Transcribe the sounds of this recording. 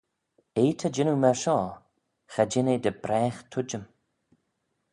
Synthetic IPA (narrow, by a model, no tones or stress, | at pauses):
eːt̪ʰəd͡ʒɪnumɛɹʃɔː | xad͡ʒɪned̪əbɾɛːxt̪ʰʊd͡ʒəm